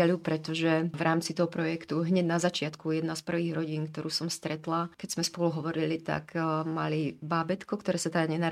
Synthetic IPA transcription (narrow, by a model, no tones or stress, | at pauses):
alupɾɛt̪ɔʒɛʋɾʔaːmt͡sit̪ɔɦɔpɾɔjɛkt̪uɦɲɛɟnazat͡ʃɪat̪kujɛd̪naspr̩ʋiːɣɾɔɟiːnk̚t̪ɔɾuːsɔmst̪ɾɛt̪lakɛz̥mɛspɔluɦɔʋɔɾilit̪a̰kma̰libaːbɛt̪kɔkt̪ɔɾɛːsat̪aɡɲɛna